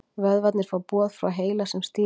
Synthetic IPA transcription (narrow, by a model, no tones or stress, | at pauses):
vœðvat̪nɪɾ̥fawpɔːðfɾa̰wɦeːjlasɛmst̪ɪ